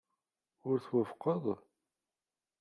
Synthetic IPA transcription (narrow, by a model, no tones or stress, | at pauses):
ʊɾθwəfqəðˤ